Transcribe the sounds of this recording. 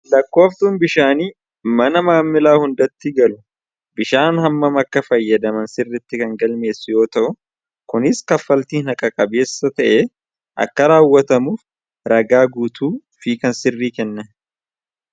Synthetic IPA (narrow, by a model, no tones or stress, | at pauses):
lɐkːo̞ːft̪uːnbɪʃaːniː | mɐnɐmaːmːɪlaːhʊnd̪ɐt̪ːɪɡɐlʊ | bɪʃaːnhɐmːɐmɐkːɐfɐjːɐd̪ɐmɐnsɪrːɪt̪ːɪkɐŋɡɐlme̞ːsʊjo̞ːt̪ɐʔʊ | kʊnɪskɐfːɐlt̪iːnɐkʼɐkʼɐbe̞ːsːɐt̪ɐʔe | ʔɐ̰kːɐɾaːwːɐt̪ɐmuːf | ɾɐɡaːɡuːt̪uː | fiːkɐnsɪrːiːkɛnːɐn